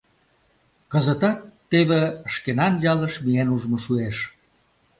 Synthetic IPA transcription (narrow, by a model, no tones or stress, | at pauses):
kəzət̪ɑt̪ːeβeəʃkenɑnjɑləʃmienuʒmoʃueʃ